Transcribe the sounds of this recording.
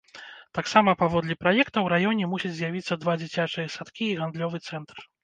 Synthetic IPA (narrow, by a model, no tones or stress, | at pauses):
t̪aksamɐpavɔd̪lʲɛpɾajɛkt̪ɐwɾajɔnʲɛmusʲit͡sʲzʲjavʲit̪sːɐd̪vad͡zʲit͡sʲat͡ʂɨjɐsat̪kʲiːɣand̪lʲɔvɨt̪sɛnt̪r